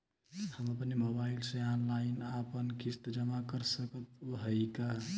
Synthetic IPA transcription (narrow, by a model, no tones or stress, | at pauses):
həməpnemobailsẽanlainapənkist̪d͡ʒəmakəɾsəkət̪oɦəjka